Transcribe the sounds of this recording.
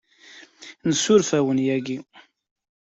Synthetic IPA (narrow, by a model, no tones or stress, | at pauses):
nəsʊɾfæwənjæɡi